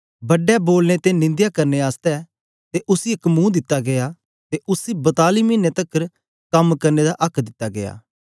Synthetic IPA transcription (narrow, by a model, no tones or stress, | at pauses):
bɐɖːɛboːlnet̪enɪ̃nd̪jakɐɾneaːst̪ɛ | t̪eʔʊsiɪkmũːd̪ɪt̪ːaɡeja | t̪eʔʊsibɐt̪aːlimĩnːet̪ɐkːəɾ | kɐmkɐɾned̪aʔɐkʰd̪ɪt̪ːaɡḛja̰ː